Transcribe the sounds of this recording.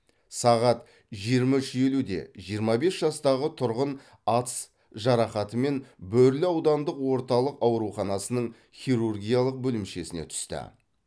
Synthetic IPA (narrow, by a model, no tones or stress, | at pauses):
sɑʁɑt̪ | ʒijəɾmɑʏʃe̞lud̪e̞̰ʒijəɾmɑbe̞sʒɑst̪ɑʁət̪ʰʊɾʁən | ɑt̪s | ʒɑɾɑχɑt̪əme̞nbɵɾlɪɑwd̪ɑnd̪əqwo̞ɾt̪ɑlˠəqɑwɾuχɑnɑsənəɴ | χʲiɾurɡʲijalˠəq̚bɵlɪmʃe̞sɪne̞̰t̪ʰʏ̥st̪ɪ̰